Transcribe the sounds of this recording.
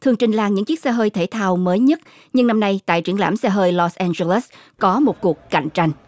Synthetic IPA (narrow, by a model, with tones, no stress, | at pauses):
t̪ʰɨ˨˩əŋt͡ɕï˨˩ŋ̟laː˧ŋɲɨ̰˧˥ŋt͡ɕi˦˥sɛ˧ɦəː˧jt̪ʰe˧˩t̪ʰaː˧wməː˨˦jɲə˦˥t̚ | ɲɨ˧ŋna˧mna˧jt̪a̰ː˧˨jt͡ɕi˧˩əŋla̰ː˧˩msɛ˧ɦəː˧jlɔ˧sʔɛ˧nzə˧le˦˥s | kɔ˨˦mo˨˩t̚ku˨˩ək̚ka̰˧˨jŋ̟t͡ɕa˧jŋ̟